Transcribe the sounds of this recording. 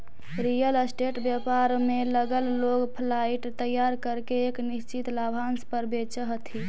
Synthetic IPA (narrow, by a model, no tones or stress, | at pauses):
ɾijələsʈeʈbjapaɾmeləɡəlloɡpʰlaiʈt̪əjaɾkəɾkeːknist͡ʃit̪labʱanspəɾbet͡ʃəɦət̪ʰi